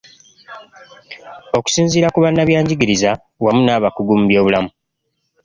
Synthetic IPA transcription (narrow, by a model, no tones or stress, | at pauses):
o̞ku̥siːnziːɾakuβanːaβjaːɲɟiɡiɾiza | wamunaːβakuɡuːmbjo̞ːβulamu